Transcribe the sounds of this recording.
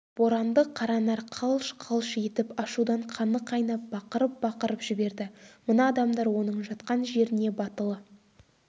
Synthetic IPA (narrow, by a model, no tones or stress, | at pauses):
b̥o̞ɾɑnd̪əqʰːɑɾɑnɑɾqʰɑlˠʃqʰɑlˠʃe̞t̪ɪpɑʃud̪ɑɴqʰɑnəqʰɑjnɑp̚b̥ɑqəɾəp̚bɑqəɾəpʒ̥ɪbe̞ɾd̪ɪmənɑːd̪ɑmd̪ɑɾwo̞nəɴʒɑt̪qɑnʒe̞ɾɪne̞bɑt̪əlˠə